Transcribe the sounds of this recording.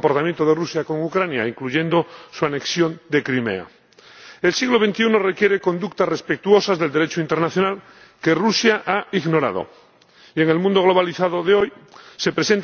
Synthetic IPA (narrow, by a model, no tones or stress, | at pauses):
mpoɾt̪amjent̪oð̞erusjako̞ŋukɾanja̰iŋkluʝe̞nd̪osuane̞ksjond̪e̞kɾimḛa̰ | elsiɣloβ̞e̞nt̪iunorekje̞ɾeko̞nd̪uk̚t̪asrespek̚t̪uo̞sazðeld̪eɾe̞t͡ʃoint̪e̞ɾnaθjonal | kerusjaʔaiɣno̞ɾa̰ð̞o̰ | ieŋe̞lmũnd̪o̞ɣ̞lo̞β̞aliθað̞oðeojse̞pɾesent̪